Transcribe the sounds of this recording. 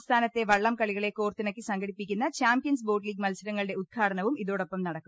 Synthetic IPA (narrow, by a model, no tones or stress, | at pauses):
st̪ʰaːnɐt̪ːe̞ʋɐɭːɐmkɐɭiɣɐɭekoːrt̪ːinɐkːɨsɐŋɡɐɽipːikʲːunːɐt͡ɕaːmpijɐns̬bo̞ːɖliːɡ̚mɐlsɐɾɐŋːɐɭɨɽeud̪̚kʰaːɽɐɳɐʋumiðo̞ːɽo̞pːɐmnɐɽɐkːum